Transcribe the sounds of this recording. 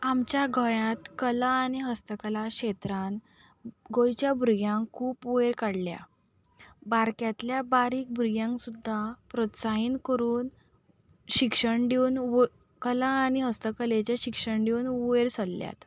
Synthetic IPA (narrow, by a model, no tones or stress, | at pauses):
amt͡ɕjaɡʱɔjãt̪kəlãːñiɦəst̪əkəlaɕet̪ɾan | ɡojt͡ɕjabʱuɾɡjãŋkʰuːpʋeɾkaɽlja̰ | baɾkjat̪ljabaɾiːk̚bʱuɾɡjãŋksud̪ʱːapɾot̪saɦiːnkəɾuːn | ɕikʂəɳɖewn | kəlãːniɦəst̪əkəlet͡ɕjaɕikʂəɳɖeuneɾsʰəlːja̰t̪